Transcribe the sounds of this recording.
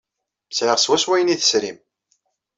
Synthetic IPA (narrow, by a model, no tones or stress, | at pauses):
sʕəʁswæswæjəniθə̥sɾim